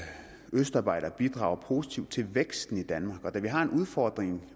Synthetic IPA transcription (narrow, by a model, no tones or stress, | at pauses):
øsd̥ɑ̈ːb̥ɑ̈ɪ̰ɾ̥ɐb̥id̥ʁɑ̈ʊɐpʰo̝si̥t͡sʰiʊ̰d̥̚t͡sʰe̝lʋeɡ̥sd̥n̩id̥ænmɑ̈ːɡ̥ɒ̽d̥æʋiɦɑ̈e̝nuð̞ˠfɒːd̥ʁeŋ